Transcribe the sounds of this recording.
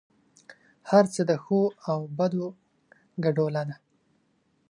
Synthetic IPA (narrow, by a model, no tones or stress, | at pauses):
haɾt͡səd̪əxoawbad̪o | ɡaɖolana